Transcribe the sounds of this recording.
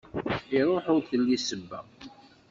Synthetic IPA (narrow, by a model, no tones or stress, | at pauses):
iɾˤoħʊɾθəlːisəbːæ̰